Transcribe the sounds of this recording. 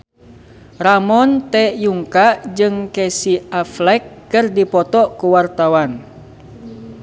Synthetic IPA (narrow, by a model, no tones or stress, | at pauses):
ramɔnt̪ɛjuŋkad͡ʒɨŋkɛsiaflɛkːɨrdipɔt̪ɔkuwart̪awan